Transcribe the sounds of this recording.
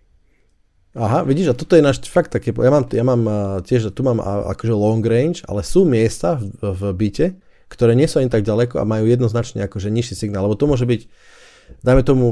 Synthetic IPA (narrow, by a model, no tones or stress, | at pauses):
aɦaʋiɟiːʃat̪ɔt̪ɔjɛnaːʃfakt̪ːakɛːpjamaːmjamaːmcɪɛʒt̪umaːm̰a̰kɔʒɛlɔŋɡɾɛnt͡ʃa̰lɛsuːmɪɛst̪avbicɛ | kt̪ɔɾɛːɲɪɛsuaɲit̪aɡ̚ɟalɛkɔa̰majuːjɛd̪nɔznat͡ʃɲɛ̰akɔʒɛɲiʃːisiɡnaːlːɛbɔt̪ɔmʊɔʒɛbic | d̪ajmɛt̪ɔmu